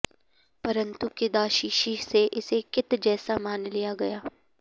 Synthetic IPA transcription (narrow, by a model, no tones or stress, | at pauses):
pɐɾə̃nt̪ukɪd̪aːʃiːʃiseʔɪsekɪt̪d͡ʒɛːsamaːnlijaɡɐjaː